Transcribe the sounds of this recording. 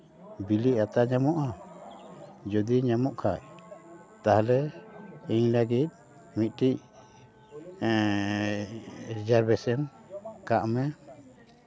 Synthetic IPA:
biliʔat̪aʔɲamɔʔa | d͡ʒɔd̪iɲamɔʔkʰaʔ | t̪aɦlɛ | iɲlaɡit̪̚ | mit̪̚ˀʈiʔ | ɾid͡ʒaɾbɛsɛn | kaʔmɛ

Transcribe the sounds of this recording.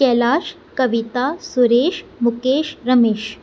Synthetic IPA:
kɛːlaːʃ | kəʋit̪asuɾeːʃmukeːʃɾəmeːʃ

